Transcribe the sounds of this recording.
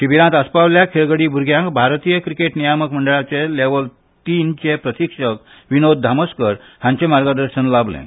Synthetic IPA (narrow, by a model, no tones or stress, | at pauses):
ʈibiɾãt̪əspaʋljakʰeɭɡəɽibʱuɾɡjãŋkbʱaɾt̪ijəkɾikeʈnijaməkməɳɖəɭat͡seleʋəl | t̪iːnt͡ɕepɾət̪ikʂək | ʋinod̪̚d̪ʱaməskəɾ | ɦãɲt͡ɕẽmaɾɡəd̪əɾɕənlablḛ̃